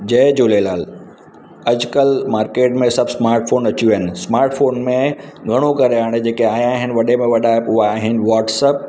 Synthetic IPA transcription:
d͡ʑɐːd͡ʑoːleːlaːl | ɐd͡ʑkəlmaːɾkeːʈmẽsɐbsmaːɾʈfʰoːnɐt͡ɕiuɦɐnɪ̆smaːɾʈfʰoːnmẽɡʱɐɽ̃okɐɾeɦaːɽ̃ed͡ʑeːkeaːjãːɦɪnɪ̆ʋɐɗemẽʋɐɗaɦepʊaːɦɪnɪ̆ʋaːʈsəp̚

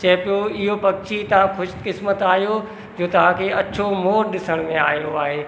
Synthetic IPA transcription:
t͡ɕɐɦpijoɪɦopɐɡ̚t͡ɕit̪ɐʋ̤ãkʰʊʃkɪsmət̪aːɦijo | d͡ʑoːt̪ɐʋ̤ãkʰeɐt͡ɕʰomoːɾɗɪsəɽ̃mẽaːɦijoaːɦeː

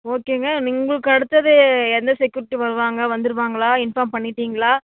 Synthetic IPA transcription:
oːkːeːŋɡɐnɪŋɡɐɭɯkːɐɽɯt̪ːɐðɯɛnd̪ɐsɛkjuːɾɪʈːiʋɐɾɯʋaːŋɡɐʋɐnd̪ɯɾɯʋaːŋɡɐɭaːɪnfaːmpɐɳːɪʈːiːŋɡɐɭaː

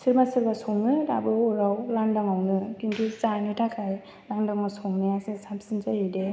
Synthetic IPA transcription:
sʰiɾmasiɾbasɔŋnɯdabɯɔɾawlandaŋawnɯkintʰusanɯtʰakʰaj | naŋdaŋmasʰɔŋniasesap̚sinzaɦede

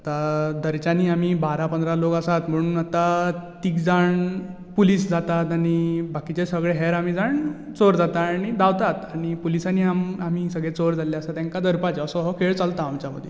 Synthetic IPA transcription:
at̪ad̪əɾt͡ɕaniːam̤iːbaɾapənd̪ɾalokəsat̪m̤əɽuːnat̪at̪iːkd͡zaɳ | puliːsd͡zat̪at̪aɽ̃ibakit͡ɕesəɡɭeɦɛɾam̤iːd͡zaɳ | t͡soɾd͡zat̪aɽid̪aʋt̪at̪aɽ̃ipulisaniamam̤isəɡɭet͡soɾd͡zʱaleljaəsat̪jãŋkad̪əɾpat͡ɕeəsɔɦɔkʰeɭt͡salt̪aːmt͡ɕjamə̰d̪ʱːje

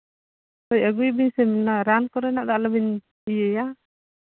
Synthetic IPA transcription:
ɔjəɡujbiɲsɛminaɾankɔɾɛnaʔd̪aʔləbiɲ | ijɛja

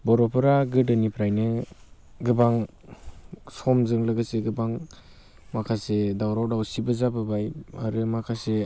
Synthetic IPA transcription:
bɔɾɔpʰɯɾaɡɯdɯnipʰɾajnɯ | ɡɯbaŋ | sɔmzɯŋlɯɡɯseɡɯbaŋ | makʰasedawɾawdawsibɯzabɯbaja̰ɾɯmakʰase

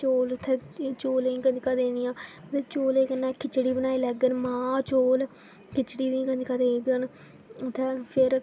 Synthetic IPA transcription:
t͡ʃoːlt̪ʰːɛːt͡ʃoːlẽĩːkəd͡ʒkaːd̪eːnijãːt̪ʰeːt͡ʃoːleːkənãːkʰɪt͡ʃɽiːbənaːiːlɛːɡənmãːt͡ʃoːl | kɪt͡ʃɽiːd̪ĩkəɲd͡ʒkaːd̪eːɡən | ʊt̪ʰːɛːpʰɪɾ

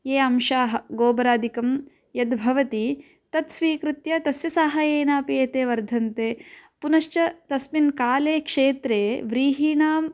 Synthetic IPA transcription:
eːɐmʃaːɦɐɡoːbɐɾaːd̪ikɐm | jɐd̪bʱɐʋɐt̪i | t̪ɐt̪sʋiːkɾɪt̪jɐt̪ɐsjɐsaːɦɐeːnaːpieːt̪eːʋɐɾd̪ʱɐnt̪eːpunɐʃt͡ʃɐt̪ɐsminkaːleːkʂeːt̪ɾeːʋɾiːɦiːɳaːm

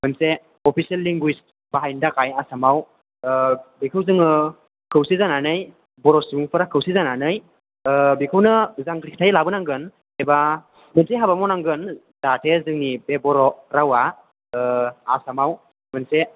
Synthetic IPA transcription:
mɯnse | ɔpʰiselːiŋɡwis | baɦajndakʰajasamaw | bikʰɯwzɯŋɯ | kʰɯwsizananɯj | bɔɾɔsuŋpʰɯɾakʰɯwsizananɯj | bikʰɯwnɯzaŋkɾiktʰajlabɯnaŋɡɯn | eba | mɯnseɦabamɔnaŋɡɯn | zatʰezɯŋnibebɔɾɔɾawa | asamaw | mɯnse

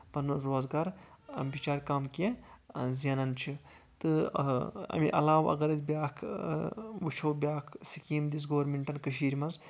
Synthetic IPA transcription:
pɐnɾoːzɡaːɾbit͡ʃaːɾkaːmkezɐnɐnt͡ʃʰi | t̪ɨ | ɐ̰miʔɐ̰laːʋɐ̰ɡɐɾɐzbʲjaːkʰ | ʋut͡ʃʰɐwbʲjaːkʰsikiːmd̪is̬ɡoːɾmiɳʈɐnkɐʃ̬iːɾʲmɐz

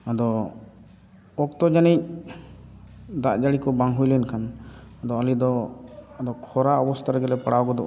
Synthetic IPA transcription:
ad̪ɔ | ɔk̚t̪ɔd͡ʒanic̚ | d̪aʔd͡ʒaɽikɔbaŋɦujlɛnkʰanad̪ɔalid̪ɔad̪ɔkʰɔɾaɔbɔst̪ʰaɾɛɡɛlɛpaɽawɡɔd̪ɔ

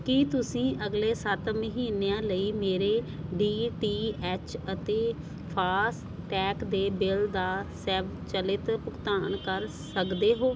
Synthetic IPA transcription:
kit̪ʊsĩːʔəɡleːsət̪məɦiːneãːləiːmeːɾeː | ɖiːʈiːɛːt͡ʃət̪eː | pʰaːs | ʈɛːkd̪eːbɪld̪aːsɛːʋt͡ʃəlɪt̪pʊkt̪aːɳkəɾ | səkd̪eːɦoː

